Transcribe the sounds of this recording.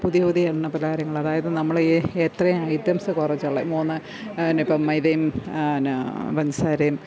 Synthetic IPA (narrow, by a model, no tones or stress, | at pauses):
puðijoːd̪iɐɳːɐpɐlɐkaːɾjɐŋːɐɭɐðaːjɐðɨnɐmːɐɭet̪rɐjumɐjid̪jɐmsɐkurɐt͡ɕːɐɭːɐmoːnːɨ | nipːɐmːɐjðɐjum | bɐɲd͡ʑɐsaːɾɐjum